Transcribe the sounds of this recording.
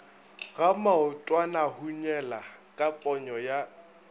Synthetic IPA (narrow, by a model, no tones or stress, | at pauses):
ɣamaʊtʼwanahuɲɛlakʼapʼɔɲɔja